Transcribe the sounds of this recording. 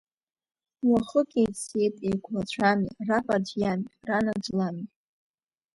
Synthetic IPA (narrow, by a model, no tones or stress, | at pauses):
waχəkʲʼejtʼsejtʼejkʷʰlat͡ɕʷʰamḭrapʼard͡ʒjamiranad͡ʒlami